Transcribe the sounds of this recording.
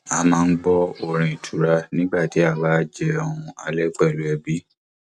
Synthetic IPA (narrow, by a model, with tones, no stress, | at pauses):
a˧mãː˦˧n̩˦ɡ͡bɔ˦o˨ɾ̃ĩ˨i˨tʰu˨ɾa˧nĩ˦ɡ͡ba˦˨ti˨˦a˦˨ba˦d͡ʒɛ˦ɔ˧ũ˧a˧lɛ˦k͡pɛ˦˨lu˨˦ɛ˧bi˦